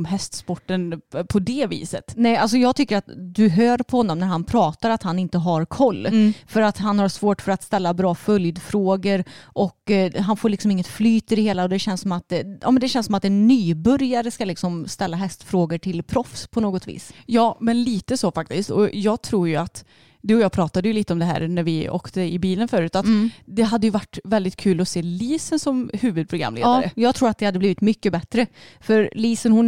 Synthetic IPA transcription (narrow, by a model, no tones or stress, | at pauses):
mɦɛst̪spɔʈːənpʰɔd̪ɛvḭːsət̪nɛals̬ɔjɑːɡ̚t̪ʰʏkːəɾat̪d̪ɵɦøːɾpʰɔhɔnːɔmnæɾɦanpʰɾɑːt̪aɾat̪hanɪnt̪əɦaɾkʰɔlːfœɾat̪ɦanhaɾʂvoːʈfœɾat̪st̪ɛlːabɾɑːfœljd̪fɾoːɡəɾʔɔkɦanfoːɾɭɪksɔmɪŋːət̪flyːt̪ʰɪd̪ɛheːlaɔd̪ɛɕɛnssɔmat̪̚d̪jɑ̰ːmɛnd̪ɛɕɛnsɔmat̪ɛnːyːbɵɾjaɾəskalɪksɔmst̪ɛlːaɦɛst̪fɾoːɡəʈʰɪlpʰɾɔfspʰɔnoːɡɔt̪ʰvḭːsjɑːmɛnliːt̪əsoːfak̚t̪ɪst̪ɔ̰jɑːɡ̚t̪ʰɾuːɾjɵat̪ | d̪ʉːɔjɑːpʰɾɑːt̪ad̪əjɵliːt̪əɔmd̪ɛɦæ̰ːɾnæɾvɪo̰ːkt̪əɪbiːlənfœːɾʉ̟ːt̪at̪d̪ɛɦad̪ːəjɵvaʈːvɛld̪ɪt̪̚kʰʉ̟ːlɔseːliːsənsɔmhʉːvɵd̪̚pʰɾʊɡɾa̰mːlḛd̪aɾəjɑːɡt̪ʰɾuːɾat̪̚d̪ɛhad̪əbliːvɪt̪mʏkːəbɛt̪ɾəfœɾliːsənhʊn